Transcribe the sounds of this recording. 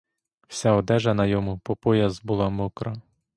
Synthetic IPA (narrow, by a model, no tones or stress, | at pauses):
w̥sʲaɔd̪ɛʒɐnɐjɔmʊpɔpɔjɐzbʊlˠɑmɔkɾɐ